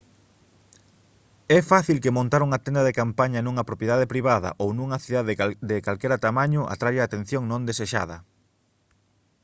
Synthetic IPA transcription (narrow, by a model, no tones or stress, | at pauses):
ɛfaθilkemõnt̪aɾuŋat̪ɛnd̪ɐðekampaɲɐnũŋɐpɾopjeðaðepɾiβ̞aðɐ̰ʔownũŋɐθiðaðd̪ekalkɛɾɐt̪amaɲʊʔa̰t̪ɾajaːt̪ẽn̟θjõŋnõnd̪eseʃa̰ðɐ